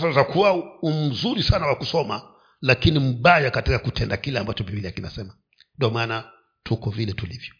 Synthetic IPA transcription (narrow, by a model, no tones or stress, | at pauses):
sazakuwaum̩zuɾisanawakusɔma | lakinim̩ɓajakatikakutʰɛndakilɛambat͡ʃɔvimiliakina̰sɛma | ndiɔmaːna | tʰukɔvilɛtulivjɔ